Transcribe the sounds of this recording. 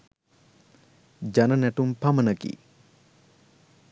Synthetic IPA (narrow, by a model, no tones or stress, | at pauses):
d͡ʒanənæʈumpamənəkḭ